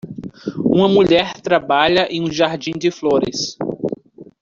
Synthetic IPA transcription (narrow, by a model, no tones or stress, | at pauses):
ũmɐmuʎɛɾt̪ɾabaʎɐʔẽj̃ũʒaɾd͡ʒĩd͡ʒɪfloɾɪs